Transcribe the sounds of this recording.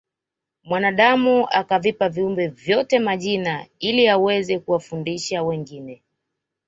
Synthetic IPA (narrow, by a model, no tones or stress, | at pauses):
mwanaɗamuakavipaviumbɛvjɔtɛmaʄinailiawɛzɛkuwafundiʃawɛŋɡinɛ